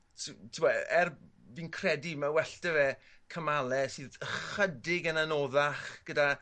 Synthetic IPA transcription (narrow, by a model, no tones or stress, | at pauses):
tʰtʰuwaɛr | vinkʰrɛdimawɛɬd̥ɛvɛkʰəmalˠɛsɨːðəχədɪɡənanoðaχɡ̥əda